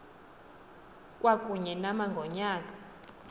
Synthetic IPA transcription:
kʼwakʼuɲɛnamaŋɡʱɔɲaːkʼḁ

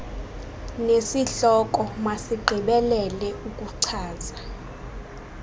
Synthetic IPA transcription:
nesiɬɔkʼɔmasiɡ͡ǃʱiɓɛlɛlɛukʼuǀʰaːza

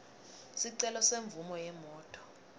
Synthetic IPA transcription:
siǀɛlɔseɱvumɔjɛmɔːtʼɔ̥

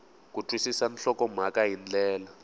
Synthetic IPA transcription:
k̬utʰʼwisisanɬɔkɔm̤akaɦind͡ɮɛːla

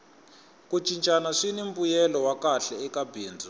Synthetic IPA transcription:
kut͡ʃʼint͡ʃʼanaʂinimbujɛlɔwakaɬɛɛkabʱiːnd͡zʱa

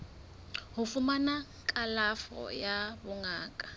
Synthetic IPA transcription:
hʊfʊmana | kʼalafɔ̰jabʊŋaːkʼḁ

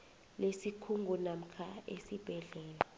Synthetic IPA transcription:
lesikʰuŋɡunam̩kʰaḛsib̥ʱɛɮɛːla

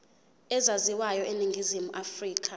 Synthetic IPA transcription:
ɛzaziwajɔʔeniŋɡʱizimuʔafriːk̬ʰʼa

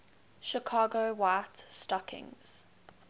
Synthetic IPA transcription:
ʃikʰɑːɡoʊwatstɔkʰɪ̰̃ŋz̥

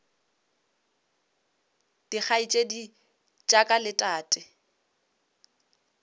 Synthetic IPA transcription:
d̥ik͡xʰait͡ʃʼedi | t͡ʃʼakʼalɪtʼaːtʼɪ

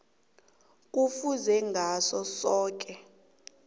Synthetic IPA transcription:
k̬ʼufuzɛŋɡʱasɔsɔːk̬ʼɛ

